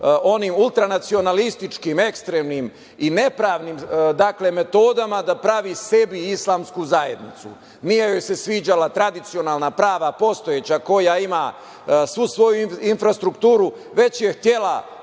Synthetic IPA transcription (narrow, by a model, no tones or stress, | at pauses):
o̞niːmulˠt̪ɾanat̪sio̞nalist̪it͡ʃkime̞kst̪ɾeːmnim | ine̞pɾaːʋniːmd̪akle̞me̞t̪o̞ːd̪amad̪apɾaʋise̞biislˠaːmskuzaje̞d̪nḭt̪sṵ | nijejojsesʋiːd͡ʑalat̪ɾad̪it̪sio̞naːlnapɾaːʋapo̞st̪ojet͡ɕako̞jaima | sʋusʋo̞juiinfɾast̪ɾukt̪uːɾu | ʋe̞t͡ɕje̞xt̪je̞la